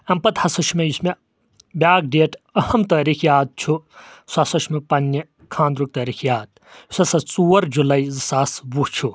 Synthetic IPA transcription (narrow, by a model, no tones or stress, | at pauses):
ɐmpɐt̪hɐsɐʃʰmejusme | bʲjaːɡ̚ɖeːʈʰɐhɐmt̪ɐːɾikʰjaːd̪̚t͡ʃʰusasɐʃʰmepɐnːɐ | kʰãːnd̪ɾuk̚t̪ɐːɾikʰjaːd̪̚ | usɐsɐt͡suːɐɾd͡ʒulɐjzɨsaːsbuht͡ʃʰu